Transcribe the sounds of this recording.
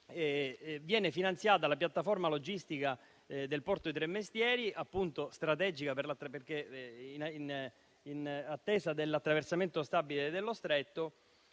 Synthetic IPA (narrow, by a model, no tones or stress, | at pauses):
vjɛːnefinant̪sjaːt̪alapjat̪ːaformalod͡ʒist̪ika | d̪elpɔrt̪oit̪ɾemːest̪jɛːɾiapːunt̪ost̪ɾat̪ɛd͡ʒikaperlat̪ːɾaperk̟einin | inat̪ːɛːsad̪elːat̪ːɾaversament̪ost̪abiled̪elːost̪ɾet̪ːo